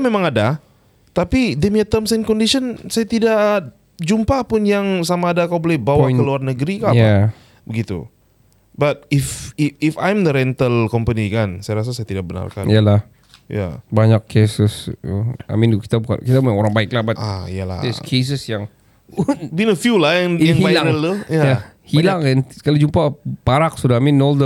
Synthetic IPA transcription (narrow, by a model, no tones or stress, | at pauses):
amemaŋada | t̪apidəmiət̪əmsɛnkɔndisɔnsajat̪idaʔ | d͡ʒumpapʊnjaŋsamaːdakawbolɛhbawakəluarnəɡɾikaaja | bəɡit̪ṵ | bat̪̚ɪfɪfajmd̪əɾɛnt̪əlkɔmpənikansajaɾas̬asajat̪idak̚bəna̰rka̰nḭalah | ja̰baɲakʰːesəs | a̰mɪnki̥t̪abuka̰nkit̪abuaoɾaŋbaɪklabataḭala̰dɛskʰes̬əsjaŋ | binəfjulajaŋaŋɦivajlaɾəlt̪ujajahilaŋɛnkalid͡ʒumpapaɾak̚sudaamɪnːold̪ə